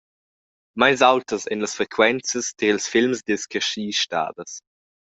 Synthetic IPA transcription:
majnsawtəsɛ̰nləsfʁɛkʰwɛnt͡səsdəɪlsfɪlmsdɪskʰɛʁʃiːʃta̰ːdəs

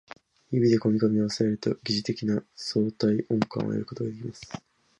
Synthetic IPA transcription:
ibʲid̪e̞ko̞mʲikomʲioβaseeɾɯ̟t̪oɡʲiʑit̪e̞kʲinaso̞ːt̪aiʔõ̞ŋkã̰ɰ̃ʔo̰jḛɾɯ̟ko̞t̪o̞ɡad̪e̞kʲimasɨ̥

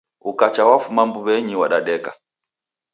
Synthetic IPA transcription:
ukat͡ʃawafumambuβɛɲiwaɗaɗɛka̰

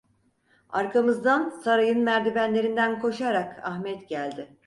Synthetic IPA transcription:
aɾkʰamɯzd̪ansaɾajɯnmæɾd̪ibænlʲe̞ɾind̪ænkʰo̞ʃaɾakʰaxmɛt̪ɟælʲd̪ɪ

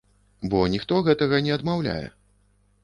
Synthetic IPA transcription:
bɔnʲixt̪ɔɣɛt̪ɐɣɐnʲɛɐd̪mawlʲa̰jɛ̰

